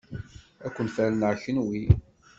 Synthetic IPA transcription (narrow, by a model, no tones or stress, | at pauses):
ækʷːənfælənʕçənwi